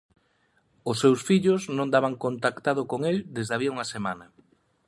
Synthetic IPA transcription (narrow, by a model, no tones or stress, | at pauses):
ʊsːewsfiʎʊznõnd̪aβaŋkont̪akt̪aðʊkoŋeld̪ezðaβiɐuŋɐsemanɐ